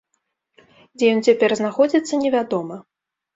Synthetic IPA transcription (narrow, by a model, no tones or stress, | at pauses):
d͡zʲɛjɔnt͡sʲapʲɛrznaxɔd͡zʲit̪sːɐnʲɛvʲad̪ɔmɐ